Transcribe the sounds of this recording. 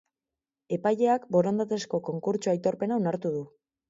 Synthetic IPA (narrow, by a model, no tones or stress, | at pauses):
e̞paje̞akbo̞ɾo̞nd̪at̪esko̞ko̞ŋkuɾt͡ʃuajt̪o̞ɾpe̞naonaɾt̪uð̞u